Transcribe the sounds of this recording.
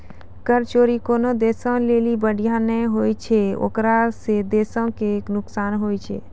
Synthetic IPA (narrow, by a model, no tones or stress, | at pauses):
kəɾt͡ʃoːɾikoːnod̪esə̃lelibəɽʱijanɛɦojt͡ʃʰeo̰kɾased̪eːsə̃keknʊksaːnɦojt͡ʃʰḛ